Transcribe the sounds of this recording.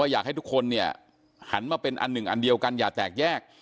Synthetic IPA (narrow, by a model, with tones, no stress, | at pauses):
a˥˩jaː˨˩k̚ha˥˩t̪u˦˥kʰo˧nːi˥˩ɐ | ha˩˦nmaː˧pe˧nʔa̰˧nːɯ˨˩ŋʔa̰˧ndi˧əwka˧njaː˨˩k̚t̪ɛː˨˩k̚jɛː˥˩k̚